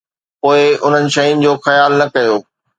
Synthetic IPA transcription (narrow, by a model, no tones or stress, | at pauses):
poːɪʊn̤ənɪ̆ʃɐʊnɪ̆d͡ʑoːxɐjaːlnɐkɐjoː